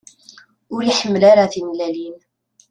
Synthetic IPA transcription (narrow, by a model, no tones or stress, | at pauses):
ʊɾiħəmːlaɾaθinlælin